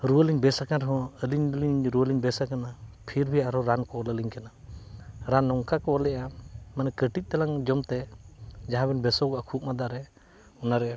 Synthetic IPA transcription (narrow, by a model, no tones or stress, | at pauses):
ɾuwəliɲbɛsakaɾɦɔ̃əliɲliɲɾuwəliɲbɛsakanapʰiɾbʱɛaɾɔɾankɔɔləliɲkana | ɾanːɔŋkakɔɔlɛʔamanɛkəʈic̚ˀt̪alaŋd͡ʒɔmt̪ɛd͡ʒaɦãbɛnbɛsɔɡɔʔakʰuʔ̚mad̪aɾɛ | ɔnaɾɛ